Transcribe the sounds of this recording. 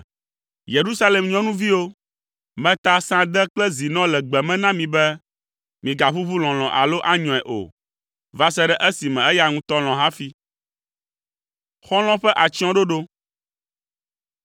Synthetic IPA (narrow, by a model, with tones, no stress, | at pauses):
je˨ɾu˦sa˦lɛ˨mɲɔ̃˦nũ˦vi˦wo˦ | mɛ̃˦t̪a˦sã˦d̪ɛ˦klɛ˦zi˨nɔ̃˦lɛ˨ɡ͡bɛ˨mɛ̃˦nã˦mĩ˨bɛ˦ | mĩ˨ɡa˨ɸu˦βu˦lɔ̃˨l̃ɔ̃˨ʔa̰˨lo˦ʔa˦ɲɔ̃˨ɛ˨ʔo̰˨ | va˦sɛ˦ɖɛ˦ʔɛ˦si˨mɛ̃˨ɛ˦ja˦ŋũ˦t̪ɔ˦l̃ɔ̃˨ɦa˦fi˦ | xɔ̃˦l̃ɔ̃˦ɸɛ˦ʔa˨t͡ʃi˦ɔ̃˦ɖo˦ɖo˦